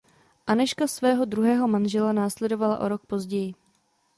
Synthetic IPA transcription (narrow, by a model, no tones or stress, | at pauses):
ʔanɛʃkasvɛːɦo̞dɾuɦɛːɦo̞manʒɛlanaːslɛdo̞vala̰ʔo̞̰ɾo̞k̚po̞zɟɛjɪ